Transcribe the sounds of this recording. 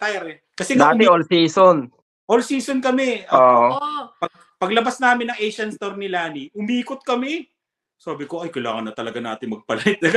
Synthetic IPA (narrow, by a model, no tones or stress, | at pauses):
t̪ajɐɾɛ | kɐsɛd̪aːt̪ɛʔolsiːson | ʔolsiːsonkɐmɛʔoːʔpɐ | pɐɡlɐbasnaːmɪnːɐŋʔejʃɐnst̪oɾnɪlaːniʔʊmiːkot̪̚kɐmɛ | saːbɪkoɐjkɐjlaːŋɐnːɐt̪ɐlɐɡanaːt̪ɪŋmɐɡ̚pɐlɐɪt̪̚lɐɡ